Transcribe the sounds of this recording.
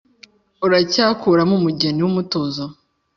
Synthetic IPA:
uɾacaːkuɾamumuɟeniwumutozo

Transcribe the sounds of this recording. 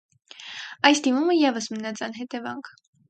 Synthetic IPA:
ɑjsd̪imuməjɛvəsmənɑt͡sʰɑnɦɛt̪ɛvɑ̰ŋkʰ

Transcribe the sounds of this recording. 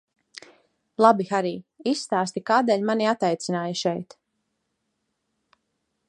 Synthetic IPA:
lˠabixaɾiːisːt̪aːst̪ikaːd̪ɛːʎʲmaniat̪ajt̪sinaːjəʃɛjt̪

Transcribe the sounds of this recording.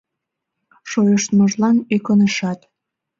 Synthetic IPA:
ʃojəʃt̪məʒlɑnekonəʃɑt̪

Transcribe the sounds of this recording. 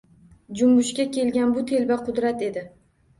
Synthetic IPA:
d͡ʒʊmɡʊʃkʲakʲʰe̞lɡʲanbʊt̪ʰe̞lbaqʰʊd̪ɾat̪e̞d̪ɪ

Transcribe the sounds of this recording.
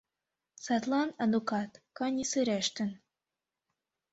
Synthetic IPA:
sɑt̪lˠɑnɑd̪ukɑt̪kɑnʲisɨɾæʃt̪ɘ̆n

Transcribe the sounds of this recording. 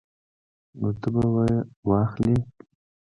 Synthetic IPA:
not̪əbawajwɑxli

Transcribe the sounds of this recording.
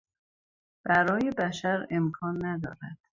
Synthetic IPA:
b̥æɾɒːjebæʃæɾe̞mkʰɒːnːæd̪ɒ̰ːɾæ̰d̪̥

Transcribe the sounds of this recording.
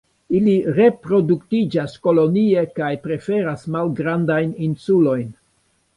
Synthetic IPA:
iliɾe̞pɾo̞duktid͡ʒasko̞lo̞nie̞kajpɾe̞fe̞ɾasmalɡɾandajninsulo̞jn

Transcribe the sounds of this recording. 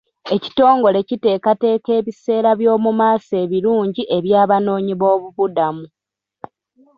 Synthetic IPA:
e̞ci̥to̞ːŋɡo̞le̞cite̞ːkate̞ːke̞ːβise̞ːɾaβjo̞ːmumaːse̞ːβiɾuːɲɟiʔe̞βjaːβano̞ːɲiβo̞ːβuβudamu

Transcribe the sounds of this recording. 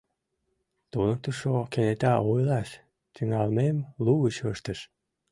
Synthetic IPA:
t̪unək̚t̪əʃokenet̪ɑojlɑʃ | t̪əŋɑlmemluɣət͡ɕəʃt̪əʃ

